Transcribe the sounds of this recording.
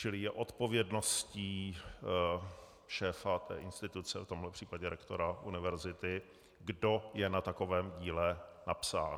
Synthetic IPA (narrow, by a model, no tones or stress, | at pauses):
t͡ʃɪlɪjɛʔo̞t̪po̞vjɛdno̞sciː | ʃɛːfat̪ɛ̰ːʔɪnst̪ɪt̪ut͡sɛft̪o̞mɦlɛpr̥iːpaɟɛɾʔɛkt̪o̞ɾaʔunɪvɛɾzɪt̪ɪ | ɡdojɛnat̪ako̞vɛːmɟiːlɛnapsa̰ː